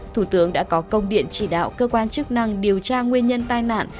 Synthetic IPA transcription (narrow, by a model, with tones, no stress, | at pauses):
t̪ʰu˧˩t̪ɨ˨˦əŋɗa̰ː˧˥kɔ˨˦kə˧wŋ͡mɗḭ˧˨ənt͡ɕi˧˩ɗa̰ː˧˨wkəː˧kwaː˧nt͡ɕɨ˦˥k̚na˧ŋɗi˨˩əwt͡ɕaː˧ŋwi˧ənɲə˧nt̪aː˧jna̰ː˧˨n